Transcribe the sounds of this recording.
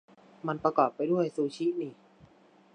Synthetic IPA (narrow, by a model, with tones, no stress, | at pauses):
ma˧npɾa˧kɔː˨˩pːa˧jdu˥˩əjsuː˧t͡ɕʰi˦˥niː˧˩